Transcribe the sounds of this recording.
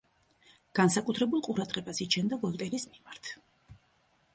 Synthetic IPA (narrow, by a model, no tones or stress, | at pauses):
ɡ̥ansakʼut̪ʰɾɛbulˠqʼuɾad̪ʁɛbasit͡ʃʰɛnd̪avɔlˠt̪ʼɛɾismimaɾt̪ʰ